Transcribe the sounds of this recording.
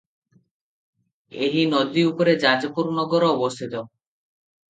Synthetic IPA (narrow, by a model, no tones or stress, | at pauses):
eɦinɔd̪iupɔɾed͡ʒad͡ʒɔpuɾnɔɡɔɾɔːbɔst̪ʰit̪ɔ